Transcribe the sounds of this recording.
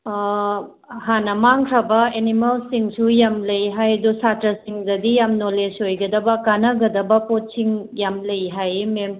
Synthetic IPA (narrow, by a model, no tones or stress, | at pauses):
hanɐmaŋkʰɾɐbɐenimɐlsiŋsujamlɐjɦajdusatɾɐsiŋdɐdijamnolesojɡɐdɐbɐkanɐɡɐdɐbɐpot̚siŋjamlɐjɦajmem